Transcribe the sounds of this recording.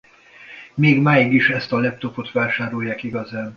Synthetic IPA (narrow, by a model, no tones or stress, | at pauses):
meːɡmaːjiɡiʃɛst̪ɒlɛp̚t̪o̞po̞t̪ʋaːʃaːɾojːaːkiɡɒzaːn